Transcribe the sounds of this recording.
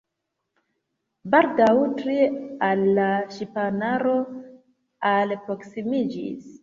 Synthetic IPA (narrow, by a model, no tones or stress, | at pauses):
baldawtɾialːaʃipanaɾo̞ | alpɾo̞ksimid͡ʒḭs